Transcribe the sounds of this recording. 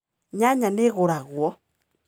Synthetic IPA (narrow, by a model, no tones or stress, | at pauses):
ɲaɲaneɣoɾaɣwɔ